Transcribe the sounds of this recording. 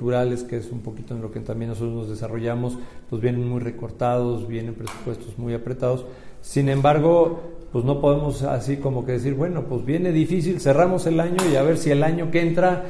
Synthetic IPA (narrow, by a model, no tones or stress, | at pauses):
uɾale̞skeesumpo̞kit̪oenlo̞ket̪ambjenːosot̪ɾoznozðe̞saro̞ʝamo̞spwezβje̞ne̞nmujre̞ko̞ɾt̪aðo̞zβje̞ne̞mpɾe̞su̥pwe̞st̪o̞zmujapɾe̞t̪að̞o̞sː | inẽ̞mbaɾɣ̞o̞pwezno̞poð̞e̞mo̞sa̰siko̞mo̞ke̞ðe̞s̬iɾβwe̞no̞pwezβje̞ne̞ðifis̬ilse̞ramo̞se̞laɲo̞iaβe̞ɾsie̞laɲo̞keent̪ɾa